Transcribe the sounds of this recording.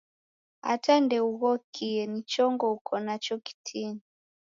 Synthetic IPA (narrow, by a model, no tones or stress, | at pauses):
a̰tandɛuɣɔkʰiɛnit͡ʃɔŋɡɔukʰɔnat͡ʃɔki̥tʰini